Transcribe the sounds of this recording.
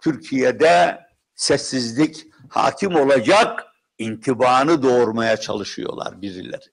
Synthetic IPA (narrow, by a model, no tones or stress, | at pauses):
t̪ʰyɾcʰijed̪ɛ | sɛsːizlʲic | ha̰ːcʰimo̞lˠad͡ʒak | int̪ʰibaːnɯd̪o̞ːɾmajat͡ʃʰa̰lˠɯʃɯ̰jo̰lˠa̰ɾbiɾḭlʲæ̰ɾ